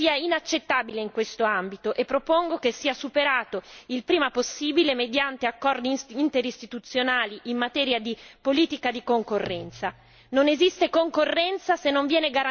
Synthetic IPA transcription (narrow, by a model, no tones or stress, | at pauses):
iːainat͡ʃːet̪ːaːbileiŋkwest̪oambit̪oʔepːɾopoŋɡokesːiːasupeɾaːt̪oilpɾiːmaposːiːbilemed̪jant̪eakːɔrd̪iːnt̪eɾist̪it̪ut̪sːjonaːliʔimːat̪ɛːɾjad̪ipoliːt̪ikad̪ikoŋkorːɛnt̪sa | nonezist̪ekoŋkorːɛnt̪sasenːoɱvjɛːneɡaɾa